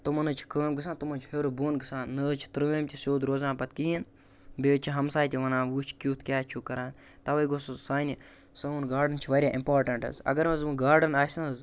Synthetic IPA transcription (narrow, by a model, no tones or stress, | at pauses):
t̪umɐnɨt͡ʃʰi̥kəːmɡɨs̬aːnt̪umɐ̃nt͡ʃʰheɾobuːnɡɨsaːnːəːt͡ʃʰi̥t̪ɾəːmʲt̪ʲisoːd̪ɾoːzãːpɐt̪kiin | beːt͡ʃʰiɦɐmsaːjt̪ʲiʋɐnaːʋuːt͡ʃʰkʲuːt̪ʰkʲaːt͡ʃʰukɐɾaːn | t̪ɐʋɐjɡossaːni | sɐuːnɡaːɾɖɐnt͡ʃʰiʋɐːɾʲjaːʔimpaːɾʈɐɳʈɐ̰zɐ̰ɡɐɾʋɐzũːɡaːɾɖɐnaːsɐ̃nz